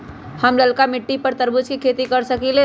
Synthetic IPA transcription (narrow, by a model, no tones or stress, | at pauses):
həmləlkamɪʈːipəɾt̪əɾbʊd͡ʒkikʰeːt̪ikəɾsəkile